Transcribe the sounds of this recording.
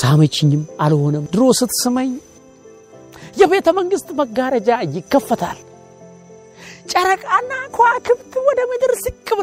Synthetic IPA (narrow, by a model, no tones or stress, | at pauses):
samət͡ʃːɪɲːɪmalho̞nəmd̪ɨɾo̞sɨt̪sɨməɲ | jɛbe̞ːt̪ʰəməŋɡɨst̪ʼməɡːaɾəd͡ʒajɪkːəfːət̪ʰa̰l | t͡ʃʼɐɾəkʼanːakʰwakʰɨβt̪ɨwɔd̪əmɨd̪ɨɾsikʼːɨβ